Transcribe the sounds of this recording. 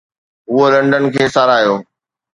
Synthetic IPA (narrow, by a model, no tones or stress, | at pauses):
ʊɦolɐ̃ɳɖənɪ̆kʰeːsaːɾaːijoː